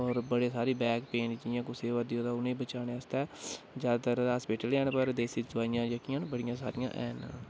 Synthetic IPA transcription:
ɔːɾbəɽeːsaːɾeːbɛːkpẽːɳʈd͡ʒɪjãːkʊseːʋəd̪ijõːd̪aːʊnẽːbət͡ʃaːneəst̪ɛː | d͡ʒjaːd̪aːt̪əɾaspeːʈəlɛːnpəɾd̪eːsiːzʊaːɪjãːjəkiːãːnbəɽɪjãːsa̰ːɾɪjã̰ːʔɛːn

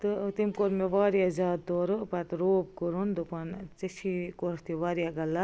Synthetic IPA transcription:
t̪ɨt̪imkoɾmeʋaːɾjazaːd̪t̪oːɾupɐt̪ɾoːp̚kuɾund̪upɐnt͡sɐsʰikoɾt̪iʋaːɾjaɡɐlːa

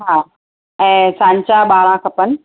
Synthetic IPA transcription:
ɦaː | ɛ̃ːsãːɲt͡ɕaɓaːɾãkʰɐpən

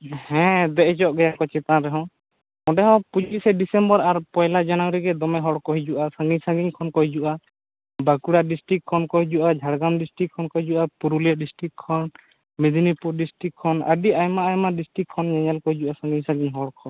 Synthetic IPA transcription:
hɛ̃d̪ɛʔɛd͡ʒɔʔɡɛjakɔt͡ʃɛt̪ãɾɛɦɔ̃ | mɔɖɛɦɔ̃pud͡ʒisɛdisɛmbɔɾaɾpɔjlad͡ʒanawɾiɡɛd̪ɔmɛɦɔɽkɔɦid͡ʒuʔasãŋɡiɲsaɡiŋkʰɔnkɔɦid͡ʒuʔa | bakuɽaɖisʈɾik̚kʰːɔnkɔɦid͡ʒuʔad͡ʒʱaɽɡamɖisʈɾikʰːɔnkɔɦid͡ʒuʔapuɾulijaʔɖisʈɾikʰːɔn | mid̪inipuɾɖisʈikʰːɔna̰ɖiajmaajmaɖisʈɾik̚kʰːɔnd͡ʒɛɲɛlkɔɦid͡ʒuʔasãŋɡiɲsaɡiŋɦɔɽkʰɔn

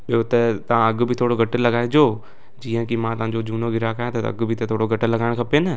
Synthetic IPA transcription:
ɓɪjot̪ət̪ɐãɐɡbʱit̪ʰoːɽoɡʱɐʈəlɐɡaːed͡ʑoː | d͡ʑiːə̃kimãːt̪ɐɦãɲd͡ʑod͡ʑuːnoɡʱɪɾakaːjãt̪ɐɐ̰ɡbʱit̪et̪ʰoːɽoɡʱɐʈəlɐɡaːɪɽ̃kʰɐpenə

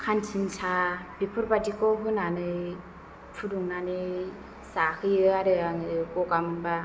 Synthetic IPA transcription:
kʰantʰinsabipʰɯɾbadikɔɦunanɯj | pʰuduŋnanɯ | sakʰɯjɯaɾɯaŋɯkɔɡamɯnba

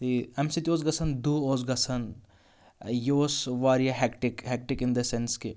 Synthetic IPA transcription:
t̪iɛmsit̪ioːzɡɐsʰɐnd̪uːoːzɡɐsʰɐn | joːsʋaːɾijaɦɛkʈɪkɦɛk̚ʈɪkɪ̃nd̪ɐsenske

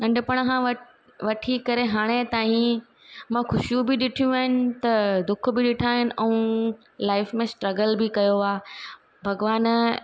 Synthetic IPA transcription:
nɐ̃ɳɖʊpɐɽ̃kãɐ | ʋɐʈʰikɐɾeɦaːɽ̃et̪aːɦĩ | mãxʊʃjũbɪɗɪʈʰijũaːɪnɪ̆t̪ɐd̪ʊk̆ʰbɪɗɪʈʰaːɦɪnɪ̆ʔɛ̃ũ | laːɪfmẽsʈɾɐɡəlbɪkɐjoaː | bʱɐɡʋaːn

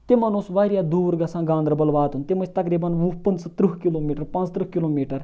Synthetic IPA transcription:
t̪imɐnosʋaːɾjaːd̪uːɾɡɐsãːɡãːnd̪ɾəbɐlʋaːt̪unt̪imɐt͡ʃʰt̪ɐkɾiːbɐnupənst̪ɾuɦkiloːmiːʈɐɾpãnt͡st̪ɾuhkiloːmiːʈɐɾ

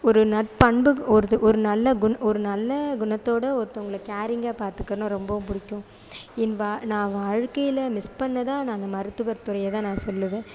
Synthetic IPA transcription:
ɔɾɯnɐpɐɳbɯɔɾɯʔɔɾɯnɐlːɐɡʊnɔɾɯnɐlːɐɡʊnɐt̪ːoːɽɐɔɾɯt̪ːɐ̃ʊŋɡɐɭɯːaːɾɪŋɡaːpaːɾt̪ɯkːɐɾɐnɐ̃ɾɔmbɐʋʊ̃mpʊɽɪkːʊ̃ | ɪnʋaːnãːʋaːɻkːɐjɪlɐmɪspɐɳːɐðãːnãːnd̪ɐmɐɾɯt̪ːɯʋɐɾt̪ːɯɾɐjɐt̪ãːnãːsɔlːɯʋẽː

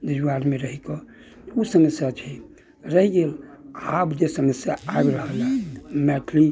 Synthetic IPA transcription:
dəd͡ʒaɾmeɾəɦikɔ | osəməsjat͡ʃʰi | ɾəɦiɡelabd͡ʒesəməsjaabɾəɦəlamɛʈʰli

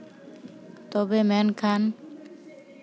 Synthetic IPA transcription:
t̪ɔbemɛnkʰan

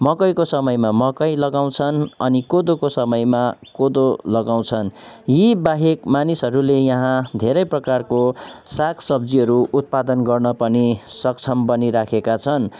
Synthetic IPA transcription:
mʌkʌjkosʌmʌjmamʌkʌjlʌɡaw̃t͡sʰʌnʌnikod̪okosʌmʌjmakod̪olʌɡaw̃t͡sʰʌn | jibaɦekmanisɦʌɾulejʌɦãd̪ʱeɾʌjprʌkarkosakʰsʌbd͡ziɦʌɾuʔut̪̚pad̪ʌnɡʌrnʌpʌnisʌkt͡sʰʌmbʌniɾakʰekat͡sʰʌn

